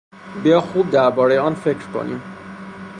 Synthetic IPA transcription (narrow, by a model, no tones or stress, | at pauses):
bijɒːxuːb̚d̪æɾbɒːɾe̞jeɒːnfe̞cʰɾkʰo̰nḭm